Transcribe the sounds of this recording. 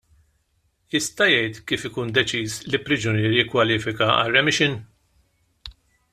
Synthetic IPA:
jɪst̪ɐjɛjt̪kiːfɪkuːnd̪ɛt͡ʃiːslɪpːɾɪd͡ʒʊnɪːɾjɪkːwɐliːfɪkɐɐ̰rːɛmɪʃɪn

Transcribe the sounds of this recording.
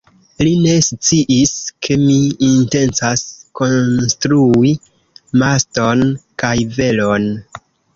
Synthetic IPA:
line̞st͡siʔiskʰe̞miːnte̞nt͡sasko̞nstɾui | masto̞nkajve̞lon

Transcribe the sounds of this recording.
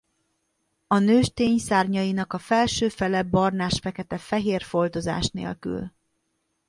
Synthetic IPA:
ɒnøːʃt̪eːɲsaːrɲɒjinɒkɒfɛlʃøːfɛlɛbɒrnaːʃfɛkɛt̪ɛfɛɦeːrfo̞lt̪o̞za̰ːʃnḛːlky̰l

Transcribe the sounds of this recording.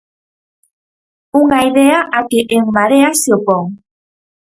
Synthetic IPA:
uŋajðeaʔakiʔeŋmaɾeasiopoŋ

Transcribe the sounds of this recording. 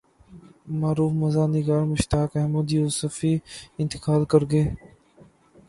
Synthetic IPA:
maːɾuːfməzaːnɪɡaːɾmʊʃt̪aːkɛməd̪juːsəfiːɪ̃nt̪ɪ̥kaːlkəɾɡeː

